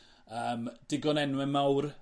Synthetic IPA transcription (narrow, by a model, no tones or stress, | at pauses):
əːmd̥ɪɡɔnɛnwɛmawr